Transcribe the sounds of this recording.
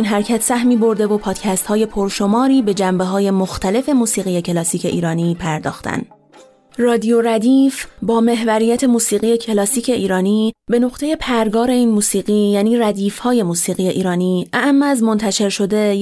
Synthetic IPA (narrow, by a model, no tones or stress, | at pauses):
inɦæɾcʰæt̪ʰsæhmiːbo̞ɾd̪e̞vopʰɒːd̪̥cʰæst̪hɒːje̞pʰoɾʃo̞mɒːɾiːbe̞d͡ʒæmbe̞ɦɒːje̞moxt̪ʰæle̞fe̞muːsiːɣije̞cʰe̞lɒːsiːcʰe̞̰ʔiːɾɒːniːpʰæɾd̪ɒ̰ːxt̪ʰæ̰n | rɒːd̪ijo̞ɾæd̪iːfbɒːme̞ɦvæɾijæt̪ʰe̞muːsiːɣije̞cʰe̞lɒːsiːcʰe̞ʔiːɾɒːniːbe̞no̞qt̪ʰe̞je̞pʰæɾɡɒːɾe̞iːnmuːsiːɣiːjæːniːræd̪iːfhɒːje̞muːsiːɣije̞ʔiːɾɒːniːʔæʔæmːeæzmo̞nt̪ʰæʃe̞ɾʃo̞d̪e̞